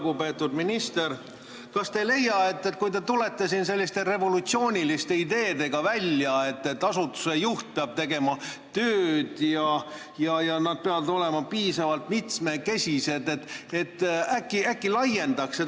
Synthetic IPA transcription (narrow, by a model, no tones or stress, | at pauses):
ɡupe̞ːt̪ːˑud̪minist̪e̞r | kɑst̪e̞le̞jɑe̞t̪ːet̪kujt̪e̞t̪ule̞t̪ːesins̬e̞lʲːist̪e̞re̞vo̞lut̪sio̞ːnʲilist̪e̞id̪e̞ːd̪e̞ɡ̥ɑvælʲjɑe̞t̪ːe̞t̪ːɑsut̪ːˑu̥se̞juht̪̚peɑb̥̚t̪e̞ɡe̞mɑ | t̪øːd̪̥jɑ | jɑjɑnɑd̪̚pe̞ɑvɑd̪o̞le̞mɑpiːsɑvɑlt̪mit̪smeke̞sʲise̞d̪̥et̪e̞t̪ːækːˑiækːilɑje̞nd̪̥ɑkse